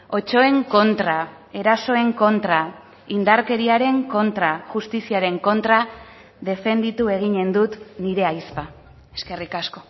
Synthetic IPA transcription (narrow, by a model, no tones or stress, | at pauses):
o̞t͡ʃo̞e̞ŋko̞nt̪ɾa | e̞ɾaso̞e̞ŋko̞nt̪ɾa | ind̪aɾke̞ɾiaɾe̞ŋko̞nt̪ɾaʝust̪isiaɾe̞ŋko̞nt̪ɾa | ðe̞fe̞nd̪it̪ue̞ɣ̞iɲe̞nd̪ut̪niɾe̞ajspa | e̞ske̞rikasko̞